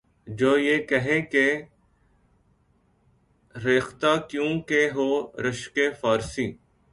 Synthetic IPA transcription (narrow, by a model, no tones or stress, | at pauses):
d͡ʒoːjeːkəɦẽːke | ɾeːxt̪aːkjũːkeɦoːɾəʃkeːfaːɾsiː